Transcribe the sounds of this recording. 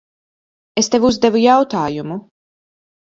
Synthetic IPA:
est̪evuzd̪evujawt̪aːjumu

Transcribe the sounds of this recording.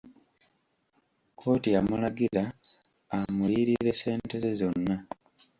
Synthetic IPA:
kʰo̞ːtijamulaɡiɾaː | mujiɾiɾe̞se̞ːnte̞ze̞zo̞nːa

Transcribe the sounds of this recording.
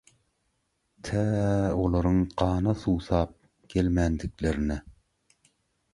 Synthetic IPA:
t̪ʰæolˠɑɾɯŋqɑːnɑsuːsɑːp̚ | ɡ̥ʲelmænd̪ikleɾinɛ

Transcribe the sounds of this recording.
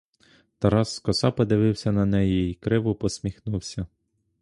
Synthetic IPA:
t̪ɐɾɑsːkɔsɑpɔd̪ɪʋɪwsʲɐnɐnɛjiikɾɪʋʊpɔsʲmʲixnuwsʲɐ

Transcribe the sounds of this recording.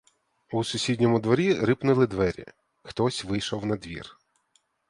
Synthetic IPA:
usʊsʲidʲnʲɔmʊd̪ʋɔɾʲiɾɪpnʊlˠɪd̪ʋɛɾʲḭ | xt̪ɔsʲʋɪjʃɔwnɐd̪ʋʲḭr

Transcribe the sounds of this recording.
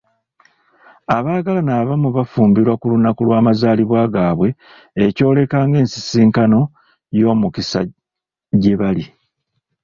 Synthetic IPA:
aβaːɡalanaːβamuβafuːmbiɾwakulunakulwaːmazaːliβwaːɡaːβwe̞ː | co̞ːle̞kaːŋɡe̞ːnsi̥siːŋkano̞ | jo̞ːmukisa̰ | ɟe̞βali

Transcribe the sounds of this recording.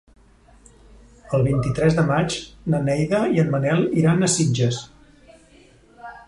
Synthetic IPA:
əlˠβint̪it̪ɾɛzðəmat͡ʃnənɛjðəiənmənɛlˠiɾanəsid͡ʒəs

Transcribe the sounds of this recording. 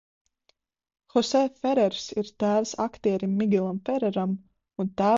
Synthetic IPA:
xɔsɛfɛɾɛɾsiɾt̪æːvsa̰kt̪iɛɾʲimːiɡʲilˠamfɛɾɛɾam | unt̪æː

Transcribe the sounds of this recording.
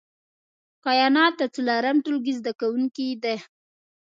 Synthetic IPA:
kɑjɑnɑt̪ːat͡sulaɾamʈulɡizd̪akawuŋkid̪e

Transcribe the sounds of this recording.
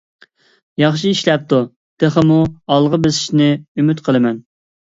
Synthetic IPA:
jɑχʃiiʃlɛp̚t̪u | t̪eχəmuɑlˠʁəbɪsɪ̥ʃnɪymyt̪qʰəlˠɨmɛn

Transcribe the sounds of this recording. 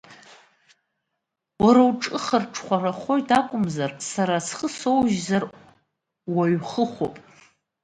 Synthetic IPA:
waɾawʈ͡ʂʼɨχərʈ͡ʂʰχʷaraχʷo̞jtʰakʷʼʊmzarsaɾasχəso̞wʒzar | waɥχəχʷo̰pʼ

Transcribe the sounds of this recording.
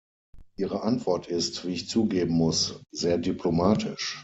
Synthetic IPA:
ʔiːʁ̞əʔantv̥ɔɐtʰɪstv̥iːɪçt͡suːɡeːbn̩mʊsz̥eːɐdypʰlomaːtʰɪʃ

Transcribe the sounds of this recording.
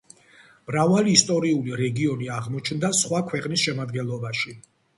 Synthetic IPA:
mɾavaliːst̪ʼɔɾiuliɾɛɡiɔniaʁmɔt͡ʃʰnd̪asχwakʰwɛqʼnisʃɛmad̪ɡɛnlˠɔbaʃi

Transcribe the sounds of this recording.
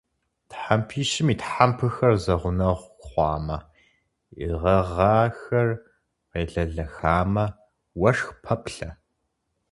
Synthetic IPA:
tħampʰiːʃɪmiːtħampʰɨxɐrzɐʁʷʊnɐʁʷχʷɑːmɐ | ḭʁɐʁɑːxɐr | qeːɮɐɮɐxaːmɐ | wɐʂxpʰɐpɬɐ

